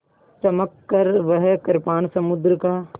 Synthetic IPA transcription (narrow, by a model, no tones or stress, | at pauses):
t͡ʃɐməkːəɾʋəɦkɐɾpaːnsɐmʊd̪ɾəkaː